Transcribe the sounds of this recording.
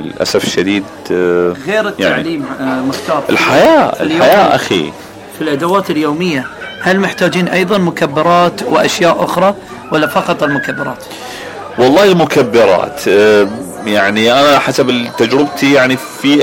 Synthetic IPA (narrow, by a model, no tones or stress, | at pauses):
lʔa̰safʃːad̪iːd̪ | ɣeːɾɪt̪ːa̰ʕliːmːɪxt̪aːɾˤɪ̰lħajaːɪ̰lħajaːʔa̰xḭ | filʔad̪awaːt̪ɪljoːmɪjːahalmɪħt̪aːd͡ʒiːnʔɑjðˤɑnmʊkabːɪɾˤɑːt̪wɪʔa̰ʃjaːʔʔʊxɾˤɑ | walːafɑqɑt̪ˤɪlmʊkabːɪɾˤɑ̰ːt̪ | wɑlˤːɑːlmʊkabːɪɾˤɑ̰ːt̪ | jaʕniʔanaħasabt̪ːad͡ʒɾɪb̚t̪ʰijaʕnifi